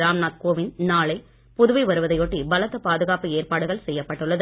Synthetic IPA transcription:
ɾaːmnaːt̪̚koːʋɪnnaːlɐɪ | pʊðʊʋɐɪʋɐɾɯʋɐðɐɪjoːʈːibɐlɐt̪ːɐpaːðɯɣaːpɯeːrpaːɽɯɣɐɭsɛjːɐpːɐʈːɯɭːɐðɯ

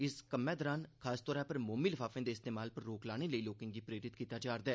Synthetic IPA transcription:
ɪskəmːɛ̃ːd̪əɾaːnkʰaːst̪ɔːɾaːpəɾmoːmiːləfʰaːfẽːd̪eːst̪eːmaːlpəɾːoːklaːñeːləiːloːkɪŋd̪iːpɾeːɾɪt̪kiːt̪aːd͡ʒaːɾd̪aɛː

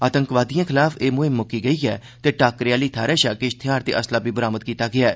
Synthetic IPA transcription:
aːt̪ə̃ŋkʋaːd̪ijãːkʰɪlaːfeːmʊɦɪmːʊkiːɡəiːɛː | t̪eːʈaːkɾjaːliːt̪ʰaːɾɛːʃaːkeʃt̪ʰɪjaːɾt̪eːʔəslaːbiːbəɾaːməd̪̚kiːt̪aːɡɪaː

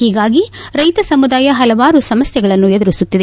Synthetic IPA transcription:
hiːɡaːɡiɾɐjt̪ɐsɐmud̪aːjɐɦɐlɐʋaːɾusɐmɐsjɐɡɐɭɐnːued̪uɾisut̪ːid̪e

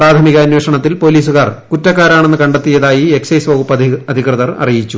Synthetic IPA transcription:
praːt̪ʰɐmiɣɐːnweːʂɐɳɐt̪ːilpo̞ːliːs̬uɣaːrkutːɐkːaːɾaːɳe̞nːɨkɐɳɖet̪ːijɐðaːjie̞ksɐjsʋɐɣupːɐɐd̪ʱikrɨðɐrɐ̰rijit͡ɕːu

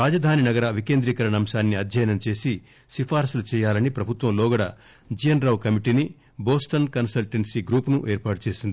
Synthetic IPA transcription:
ɾaːd͡ʒɐd̪ʱaːninɐɡɐɾɐʋike̞ːnd̪ɾikɐɾɐnɐmʃaːnːiɐd̪ʱjɐjɐnɐmt͡ʃe̞ːsi | sipaːɾsɐlut͡ʃɛːjaːlɐnipɾɐbʱut̪ʋɐmlɔːɡɐɽɐ̰ | d͡ʒijɐnɾɐwkɐmiʈini | boːsʈɐnkɐnsɐlʈeɳsiɡɾuːpnuʔeːɾpaːʈut͡ʃe̞ːsind̪i

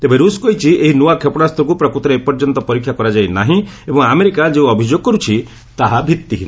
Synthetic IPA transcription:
t̪ebeɾuskɔjt͡ʃʰiʔeɦinuakʰepɽ̃ast̪ɔk̬upɾɔkɾut̪ɔɾeepɔɾd͡ʒɔnt̪ɔpɔɾikʰːjakɔɾad͡ʒajnaɦĩebɔŋameɾikad͡ʒeũɔbʱid͡ʒoɡ̚kɔɾut͡ʃʰi | t̪aɦabʱit̪ːiɦin

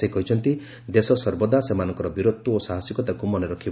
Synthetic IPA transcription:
ekɔɦit͡ʃʰɔnt̪i | d̪esɔsɔɾbɔd̪asemanɔŋkɔɾɔbiɾot̪ːuosaɦasjikɔt̪akumɔneɾɔkʰib

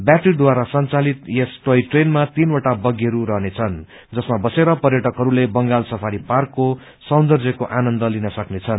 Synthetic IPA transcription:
bjaʈird̪waɾasʌnt͡salit̪jesʈʌjʈrenmat̪inoʈabʌɡiʌɾuɾʌɦnet͡sʰʌn | d͡zʌsmabʌseɾʌpʌrjʌʈʌkɦʌɾulebʌŋɡalsʌpʰaɾiparkːo | sʌnd̪ʌrd͡zjʌkoʔanʌnd̪ʌlinʌsʌknet͡sʰʌn

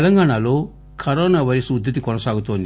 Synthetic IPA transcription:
lɐŋɡaːɳaːlo̞ː | kʰɐɾɔːnaːʋɐɾɐsuud̪ʱːɐt̪̬ikɔnɐsaːɡut̪oːnd̪

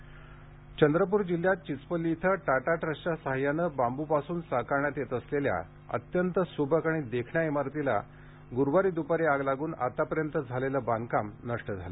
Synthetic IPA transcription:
t͡ɕənd̪ɾəp̬uːɾd͡ʑil̤ːjat̪̚t͡ɕit͡spəlːiːt̪ʰəʈaʈaʈɾəɕt͡ɕasaɦjanəbambupasuːnsakaɳjat̪et̪əslelja̰ | ə̰t̪jənt̪əsubʱəkaɽ̃id̪ekʰɳjaemaɾt̪ila̰ | ɡuɾʋaɾiːd̪upaɾeaɡlaɡuːna̰t̪apəɾjənt̪əd͡zʱaleləbãnkamnəʂʈəd͡zʱalə̰

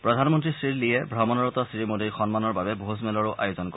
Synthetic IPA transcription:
pɹɔdʱanmɔntɹisɹiɹliɛbʱɹɔmɔnɔɹɔtɔsɹimodiɹxɔnmanɔɹbabɛbʱozmɛlɔɹʊʔa̰jʊzɔnk

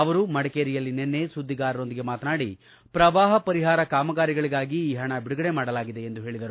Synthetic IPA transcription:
ɐʋɐɾumɐɽɐkeːɾijɐlːinenːe̞sud̪ːiɡaːɾɐɾo̞nd̪iɡe̞maːt̪naːɽi | pɾɐʋaːɦɐpɐɾiɦaːɾɐkaːmɐɡaːɾiɡɐɭiɡaːɡiːɦɐɳɐbiɽuɡɐɽemaːɽɐlaːɡid̪e̞end̪uɦe̞ːɭid̪ɐɾu

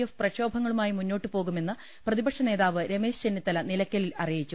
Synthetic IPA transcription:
jefprɐɕo̞ːbʱɐŋːɐɭumaːjimunːo̞ːʈːɨpo̞ːɣume̞nːɨ | prɐðibɐkʂɐne̞ːðaːʋɨɾe̞me̞ːst͡ɕenːit̪ːɐlɐnilɐkʲːɐlilɐrijit͡ɕːu

